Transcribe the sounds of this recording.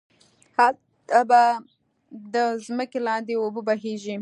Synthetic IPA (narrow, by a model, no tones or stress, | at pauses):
hal | t̪aba | d̪əzməkelɑnd̪eobəbaɦeʒi